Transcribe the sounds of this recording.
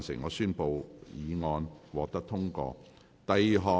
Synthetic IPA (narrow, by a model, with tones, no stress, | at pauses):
nsɪ˨˩ŋɔː˨˧syː˥npo˨wjiː˨˧ŋɔː˧nwɔː˨˧k̚t̪ɐ˥k̚t̪ʰʊ˥ŋkɔ̰ː˧ | t̪ɐ˨˧jɦɔː˨